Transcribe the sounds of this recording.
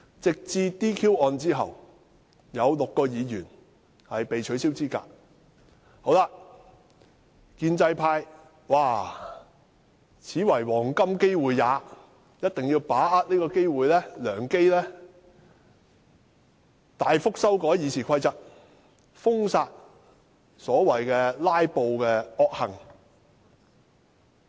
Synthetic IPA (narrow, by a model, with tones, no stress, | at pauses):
t͡sɪ˨k̚t͡siː˧t̪iː˥kʰiː˥wɔː˧nt͡siː˥ɦɐ̰˨w | jɐ˨˧wlʊ˨kːɔː˧jiː˨˧jyː˨˩n | hɐ˨jpe˨jt͡ʃʰɵ˨˥ɥsiː˥wt͡siː˥ka̰ː˧˥k̚ | ho˨˥wlaː˧ | kiː˧nt͡sɐ˧jpʰaː˧j | waː˧ | t͡sʰiː˨˥wɐ˨˩jwɔː˨˩ŋkɐ˥mke˥jwuː˨jːaː˨˧˦ | jɐ˥t̚t̪ɪ˨ŋjiː˧wpaː˨˥aː˧t̚liː˥kɔː˧ke˥jwuː˨jlɛː˥lœː˨˩ŋke˥jlɛː˥ | t̪aː˨jfʊ˥k̚sɐ˥wkɔː˨˥jiː˨˧sʰiː˨˩kʰɐ˧jt͡sɐ˨t̚ | fʊ˥ŋsaː˧t̚ | sɔː˨˥wɐ˨˩jkɛː˧laː˥jpo˧wkɛː˧ɔː˧k̚hɐ̰˨˩ŋ